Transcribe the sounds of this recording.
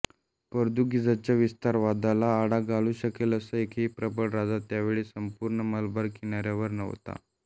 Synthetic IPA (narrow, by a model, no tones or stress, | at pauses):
pəɾd̪uɡid͡zat͡ɕjaʋist̪aɾʋad̪alaːɽaɡaluːɕəkeləsəekʰiːpɾəpəɽɾad͡zat̪ːjaʋeɭiːsəmpuɾɳəməlbəɾkʰiɳ̃aɾjaʋəɾnə̰ʋt̪a̰